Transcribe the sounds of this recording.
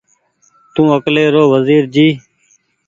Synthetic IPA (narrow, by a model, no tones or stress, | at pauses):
t̪ũːəkleːɾoːʋəziːɾd͡ʒiː